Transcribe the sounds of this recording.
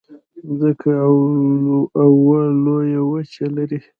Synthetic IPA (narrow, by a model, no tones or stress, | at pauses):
zəkʰa | awwalojawət͡ʃalaɾi